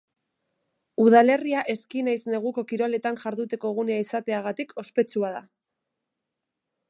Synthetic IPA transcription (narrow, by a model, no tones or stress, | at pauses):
uðale̞riaʔe̞skinajsne̞ɣ̞uko̞kiɾo̞le̞t̪anʝaɾðut̪e̞ko̞eɣ̞uneaisat̪e̞aɣ̞at̪ikʰo̞spe̞t͡suaða